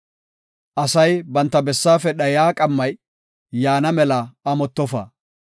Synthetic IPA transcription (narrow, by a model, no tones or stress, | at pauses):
ʔɐsɐjbɐnt̪ːɐbɛsːaːfɛɗɐjaːkʼɐmːɐj | jaːnɐmɛlɐɐmɔt̪ːɔfa̰ː